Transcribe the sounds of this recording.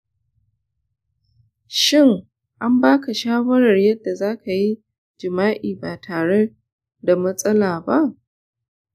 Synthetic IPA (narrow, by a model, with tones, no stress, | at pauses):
ʃɪ˦˨ŋ | ʔa˦mbaː˦ka˨ʃaː˦wɐ˦ɾɐ˨rjɐ˦dːa˨zaː˦kʰa˨ji˦ | d͡ʒɪ˨maː˦ʔiː˨baː˨tʰaː˨ɽe˦ | da˨mɐ˦sʼɐ˦laː˨ba˦ʔ